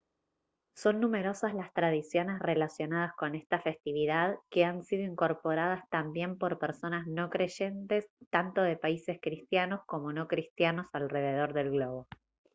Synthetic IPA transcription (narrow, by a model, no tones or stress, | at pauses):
so̞nːume̞ɾo̞sazlast̪ɾaðisjo̞nesrelasjo̞nað̞asko̞ne̞st̪afe̞st̪iβiðaðkeansiðo̞iŋko̞ɾpo̞ɾað̞ast̪ambje̞mpo̞ɾpeɾso̞nazno̞kɾe̞ʒe̞nt̪e̞st̪ant̪o̞ðe̞paise̞skɾist̪jano̞sko̞mo̞no̞kɾist̪jano̞salreðeð̞o̞ɾðe̞lɣlo̞βo̞